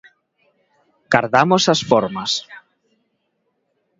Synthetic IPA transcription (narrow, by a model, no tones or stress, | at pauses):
kaɾðamosasfoɾmas